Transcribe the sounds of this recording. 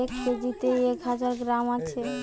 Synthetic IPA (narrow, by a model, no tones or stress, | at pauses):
ekked͡ʒit̪eekɦad͡ʑaɾɡɾamat͡ɕʰe